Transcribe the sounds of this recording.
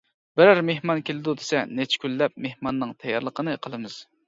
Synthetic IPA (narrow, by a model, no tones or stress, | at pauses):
b̥ɪɾæɾmehmɑnkʲʰelɪd̪ud̪e̥sɛnet͡ʃʰɪ̥kʲʰylːɛp̚mehmɑnːɨŋt̪ʰɛjɑɾlˠəqənɨqʰəlˠɨmɨz̥